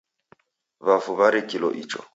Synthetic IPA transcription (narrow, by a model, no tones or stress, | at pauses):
βafuβaɾikilɔ̰ʔit͡ʃɔ̰